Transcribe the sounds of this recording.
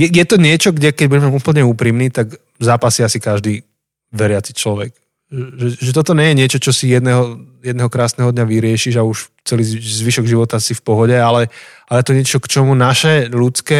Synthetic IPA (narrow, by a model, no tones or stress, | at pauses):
jɛjɛt̪ɔɲɪɛt͡ʃɔɡɟɛkɛɟbuɟɛmɛupl̩ɲɛuːpɾimniːt̪aɡ | zaːpasiasikaʒd̪iː | ʋɛɾɪat͡sit͡ʃlɔʋɛɡ | ɛʒɛʒɛt̪ɔt̪ɔɲɛjɛɲɪɛt͡ʃɔt͡ʃɔsijɛd̪nɛɦɔjɛd̪nɛɦɔkɾaːsnɛɦɔd̪ɲaʋiɾɪɛʃiʒauʃ | t͡sɛliːzʋiʃɔɡʒiʋɔt̪asifpɔɦɔɟɛalɛalɛjɛt̪ɔɲɪɛt͡ʃɔkt͡ʃɔmunaʃɛlut͡skɛː